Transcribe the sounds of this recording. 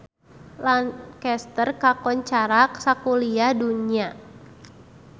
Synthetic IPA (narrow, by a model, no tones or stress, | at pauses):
lankɛst̪ərkakɔɲt͡ʃaɾak̚sakuliaduɲia